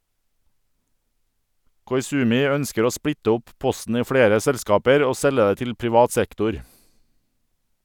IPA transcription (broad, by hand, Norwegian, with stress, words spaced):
kɔʏˈsʉːmɪ ˈœnskəɾ ˈoː ˈspɽɪtə ˈʊp ˈpɔsn̩ ˈiː ˈfɽeːɾə ˈsɛlˌskɑːpəɾ ˈoː ˈsɛlə ˈeː ˈtɪl pɾɪˈʋɑːt ˈsɛktʊɾ